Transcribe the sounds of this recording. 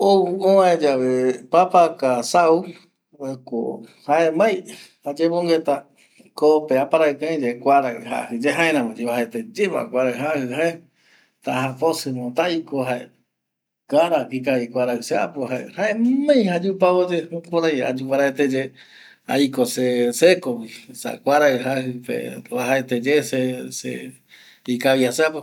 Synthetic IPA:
ouõãẽd͡ʒaβepapakasau | eko̰haemãjhad͡ʒemõŋɡet̪a | kopeapaɾaekãj̃d͡ʒekʷaɾaha̰hɨd͡ʒeɦaẽɾãmõd͡ʒeβahet̪ed͡ʒemã̰kʷaɾaɦahɨhae | t̪aɦaposɨmõt̪aikoɦae | kaɾakikaikʷaɾaɨsea̰poɦaḛhaemẽj̃had͡ʒupaod͡ʒepoɾaja̰d͡ʒupaɾaet̪ed͡ʒe | a̰jkosesekowisa̰kʷaɾaɨɦahɨpḛβaɦaet̪ed͡ʒesesḛ | ikawiaseapo

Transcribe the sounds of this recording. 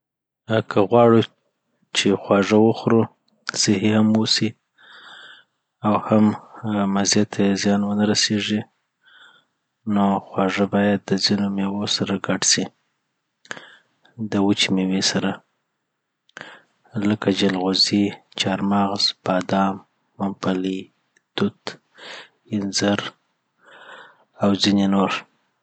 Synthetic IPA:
kʰəɣwɑɽu | t͡ʃexwɑʐəwəxɾu | sɪhihamwosi | awhammazjat̪ʰezjɑnwənaɾaseʐi | noxwɑʐəbɑjad̪̚ːəzinomewosaɾaɡaɖsi | d̪əwət͡ʃmewesaɾa | ləkad͡ʒalɣozit͡ʃɑɾmɑɣzb̥ɑd̪ɑmː | ampali | t̪ʊt̪ | ɪnzaɾ | awzinenoɾ

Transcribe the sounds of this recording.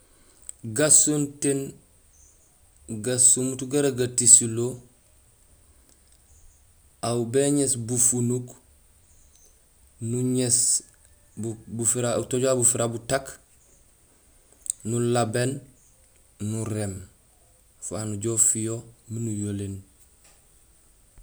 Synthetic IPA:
ɡasonten | ɡasumutuɡaɾaɡatisilo | awbeɲesbufunuɡ | nuɲes | bubufiɾatoɟoabufiɾabutak | nulaben | nuɾem | fanuɟofijominujolen

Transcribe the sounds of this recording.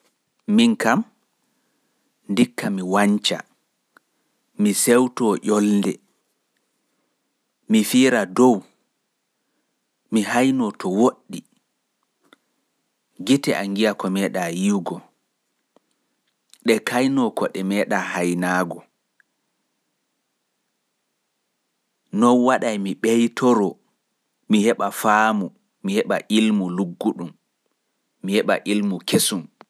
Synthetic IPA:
miŋkam | ndikːamiwaɲt͡ʃa̰ | misɛwtɔʔɔlndɛ | mifiːɾadɔw | miɦajnɔtɔwoɗːi | ɡitɛʔaŋɡijakɔmɛːɗajiwɡɔ | ɗɛkajnɔkɔɗɛmɛːɗaːhajnaːɡɔ | nɔnwaɗajmiɓɛjtʰɔɾɔ | mihɛɓafaːmu | mihɛɓa̰ʔilmuluɡːuɗumː | ihɛɓa̰ʔilmukesum

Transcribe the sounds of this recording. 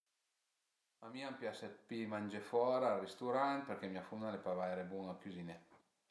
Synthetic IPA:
amiːampjaset̪̚pimanʲd͡ʒefɔːɾarist̪uɾant̪̚peɾkemiafunːalepavajɾebuŋakyzine

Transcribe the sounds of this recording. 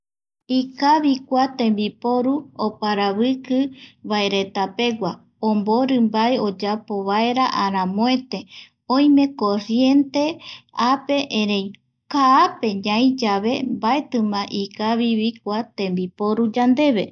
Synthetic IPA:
ikaβikʷat̪ẽ̞mbipo̞ɾuopaɾaβɨkɨβae̞ɾe̞t̪ape̞ɡʷa | ombo̞ɾɨmbaeo̞d͡ʒapo̞βae̞ɾaʔaɾãmõẽt̪e̞ | õj̃mẽ̞ko̞ɾje̞nt̪e̞ape̞ʔẽɾej | kaːpe̞ɲãĩd͡ʒaβe̞mbae̞t̪ɨ̃mãʔikaβiβik̚ʷat̪ẽ̞mbipoɾud͡ʒand̪e̞βe̞

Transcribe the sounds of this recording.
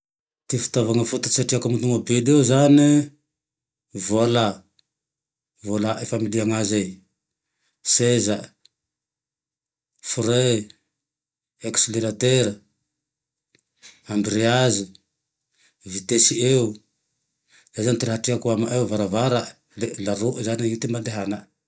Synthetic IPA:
t̪ifi̥t̪avaŋəfut̪ḁi̥saʈ͡ʂiakamit̪uŋabed̪euzani | vola | volaʔefamiliaŋazej | seza | fuɾe | eksleɾat̪eɾ | ambiɾiazi | vit̪esieu | z̥ajzanit̪iɾɦaʈ͡ʂiakuamaʔewvaɾavaɾa | lelaɾoʔzaniit̪imband̪eɦana

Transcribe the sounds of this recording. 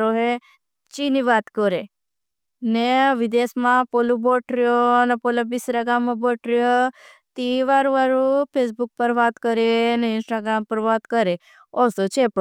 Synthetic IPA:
ɾoɦe | t͡ʃiniʋat̪kɔɾe | neʋid̪esmãpoluboʈɾjonepolabisɾaɡamːãboʈɾjo | t̪iʋaɾũʋaɾũpʰes̬buk̚pəɾʋat̪kəɾeneɪnsʈaɡɾampəɾʋat̪kəɾe | ɔsot͡ʃʰep

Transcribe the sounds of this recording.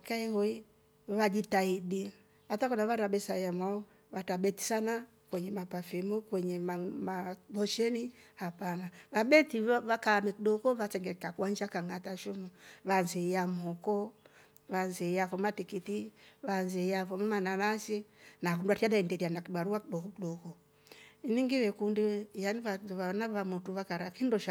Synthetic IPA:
kaihɔi | βad͡ʒitaidi | βatakɔnaβaɾabɛsajamwaɔ | βatabɛti̥sana | kwɛɲɛmapafimukwɛɲɛmamabɔʃɛnihapanaβaɓɛtiβakamɛkiɗɔkɔβasɛŋɡɛkakwaɲd͡ʒakaŋataʃumuβanzɛjamɔkɔ | βanzɛjavɔmatikitiβanzɛjavɔmɛmananasinakunduatiaɗaɛndɛɾianakiɓaɾuwakiɗɔkɔkiɗɔkɔ | iniŋɡiwɛkundijaniβaanaβamutuβakaɾakindɔʃ

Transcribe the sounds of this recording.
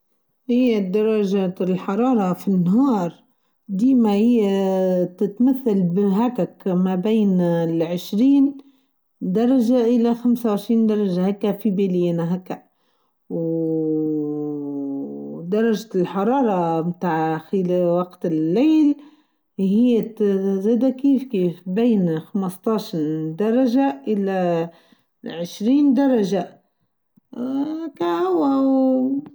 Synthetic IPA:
hɪjːad̪ɑɾˤːɑʒalħɑɾˤɑːɾˤɑfinːɦɑːɾˤ | d̪iːmahɪjːat̪ɪt̪maθːalbɪɦaːkakmabeːnɪlʕɪʃɾiːn | d̪ɑɾˤɑʒaʔɪlaxamsawʕɪʃɾiːnd̪ɑɾˤɑʒahakːafibeːlɪjanaɦakːa | w | d̪ɑɾˤɑʒlħɑɾˤɑːɾˤɑmt̪aːʕxɪlæwɑqt̪ɪlːeːl | hɪjːzæːd̪ækiːfkiːfbeːnxɑməst̪ˤɑʃd̪ɑɾˤɑʒaʔɪlæ | ʕɪʃɾiːnd̪ɑɾˤɑʒa | hækːæhʊwːaw

